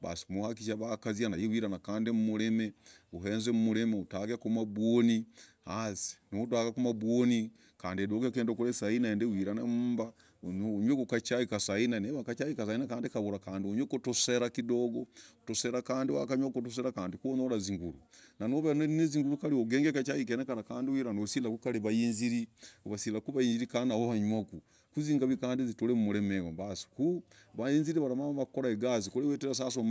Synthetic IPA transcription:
βa̰si̥muhak̬iʃaβakazjanajiwiɾanakaːndimumuɾemeuɦeːnzemumuɾemeutaɡekumabwonihasi̥nudwaɡakumaβwoni | kaːndiedoɡekeːndokuɾesainaeːndewiɾanamuba | ɲwekukat͡ʃaikasainaneβakat͡ʃajikas̬ainakaːndikaβuɾakaːndioɲwekutuseɾakidoɡootoseɾakaːndiwa̰kaɲwakotus̬eɾakaːndikuonolaziŋɡulṵnanoβenoneziŋɡulukalioɡeːŋɡekat͡ʃajik̬enekaɾakaːndiwiɾanosilakukaliβajinziɾioβasilakuβajiːnziɾikanahohaɲwaku | kuziːŋɡaβikaːndizitolemumulemewombasi̥kuβajiːnziɾiβaɾamaaβakoɾaeɡazikoɾeweteɾas̬as̬om

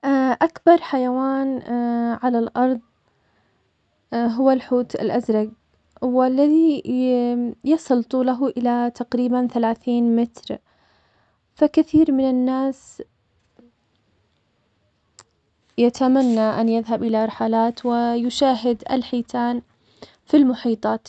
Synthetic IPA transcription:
ʔʔakbɑɾˤħajawaːnʕalalʔɑɾˤðˤ | ɦʊwːalħuːt̪a̰lʔazɾˤɑɡ | walːaði | jɑsˤɨlt̪ˤuːlaɦʊʔɪlat̪aqɾiːbanθalaːθiːnmɪt̪ɾ | fakaθiːɾmɪnanːaːs | jat̪amanːaʔanjɪðɦabʔɪlaɾˤħalaːt̪wɪjʊʃaːɦɪd̪ʔa̰lħiːt̪ʰaːn | filmʊħiːt̪ˤɑːt̪

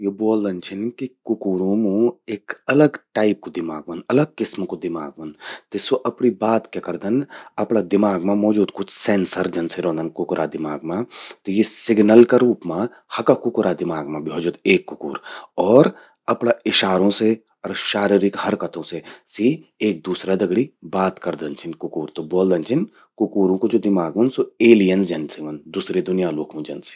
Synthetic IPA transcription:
joboːld̪ɐnt͡ʃʰɪnkikʊkuːɾõmõeːkɐləɡʈaːɪp̚kod̪ɪmaːɡmɐnɐləɡ̚kɪsmkod̪ɪmaːɡ̚mɐnt̪ɪsoʔɐpnibaːt̪kekɐɾd̪ənɐpnad̪ɪmaːɡmãmɔːd͡ʒuːd̪kʊt͡ʃʰsẽːnsəɾd͡ʒɐnseɾõːnd̪ənkʊkɾʔad̪ɪmaːɡmãt̪ojesɪɡnəlkaɾuːpmã | hɐkakʊkʊɾad̪ɪmaːɡmãbiɦɔːd͡ʒuːd̪eːkːʊkṵːɾɔːɾ | ɐpnaɪʃaːɾõse | ɔːɾʃaːɾiɾɪkhɐɾkɐt̪õsesĩeːk̚d̪uːsɾad̪ɐɡɽibaːt̪kɐɾd̪ɐnt͡ʃʰɪnkʊkuːɾt̪oboːld̪ɐnt͡ʃʰɪn | kʊkuːɾõkod͡ʒoːd̪ɪmaːɡmɐnsoeːlijənsd͡ʒɐnsiʋɐnd̪uːsɾed̪ʊnijaloːkʰõd͡ʒɐnse̥

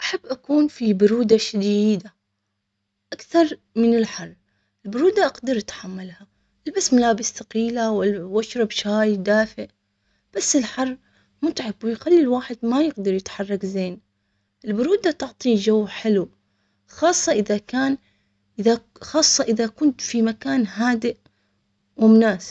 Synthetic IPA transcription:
ʔaħabːʔakuːnfibʊɾuːd̪aʃad̪iːd̪a | ʔakθɑɾˤmɪnɪlħɑrˤː | ʔɪlbʊɾuːd̪aʔaɡd̪ɑɾʔat̪ħamːalha | ʔɪlbasːmalaːbɪsθaqiːlawɪlːaʃɾˤɑbʃaːjd̪aːfɪʔ | b̥asːɪlħɑrˤː | mʊt̪ʕɪbwɪjxalːilwaːħɪd̪majɪɡd̪ɑɾjɪt̪ħɑrˤːɑkzeːn | ʔɪlbʊɾuːd̪at̪ʊʕt̪ˤiːd͡ʒawːħɪlu | xɑːsˤːɑʔɪðakaːn | ʔɪða | xɑːsˤːɑʔɪðakʊnt̪fimakaːnɦaːd̪ɪʔ | wɪmʊnaːsɪ̥b̥̚

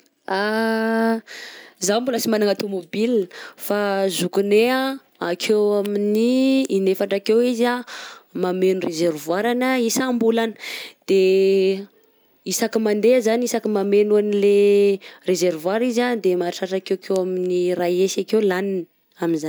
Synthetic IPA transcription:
a | zawmbuləsimanaŋat̪omobilfazukunea | akʰewaminiːnefaɳʈ͡ʂakewizamamenurezervwaɾanəisambulanə̥d̪̥e | isakimand̪ezanisakimamenuanilerezeɾvwaɾizad̪emaʈ͡ʂaʈ͡ʂakewkʰewaminiraesakewlanin | aminzan

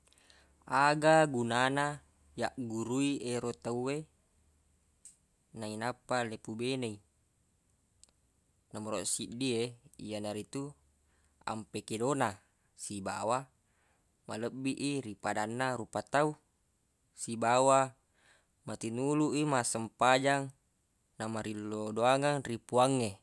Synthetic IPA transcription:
aɡaɡunana | jaʔɡuɾuieɾot̪aue | nainapːalepubenai | naməɾoʔsiʔdieijanaɾit̪u | a̰mpekedona | siba̰wa | maləbːiʔiɾipadanːaɾupat̪au | sibawa | mat̪inuluʔimasəmpad͡ʒaŋ | namaɾilːodoaŋaŋripuaŋːe

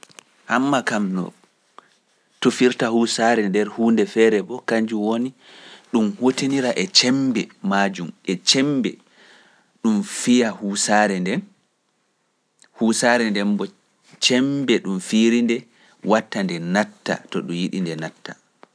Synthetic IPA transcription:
ʔhamːakamnɔ̰ | tufiɾtahusaɾɛndɛɾhuːndɛfɛːɾɛbɔkaɲd͡ʒuwoni | ɗumhoteniɾaʔɛt͡ʃɛmbɛmaːd͡ʒumɛt͡ʃɛmbɛ | ɗumfijahuːsaɾɛndɛn | husaɾɛndɛmbɔ | t͡ʃɛmbɛɗumfiɾindɛ | watːandɛnatːa̰tɔɗumjiɗindɛnatːa

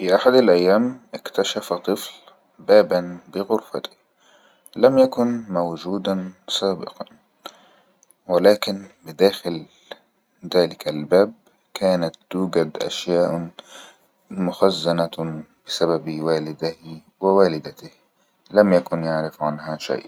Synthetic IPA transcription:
fiʔaħad̪alʔajːaːmʔɪkt̪aʃafat̪ˤɨfl | baːbanbɪɣʊɾfa̰t̪ɪ̥ | lamjakʊnmawd͡ʒuːd̪ansaːbɪ̰qɑn | wɪlaːkɪnbɪd̪aːxɪl | ðaːlɪkʰalbaːb̚ | kaːnat̪̚d̪̥uːɡad̪ʔa̰ʃjaːʔ | mʊxazːanab̥ɪsababiwaːlɪd̪ɪh | wɪwaːlɪd̪at̪ɪh | lamjakʊnjaʕɾɪfʕanɦaʃa̰jʔ

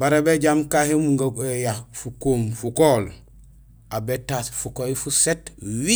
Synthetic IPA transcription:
baɾabeɟamkahemuŋɡaejafukoːmfukoːl | abetasfukojifusetwi

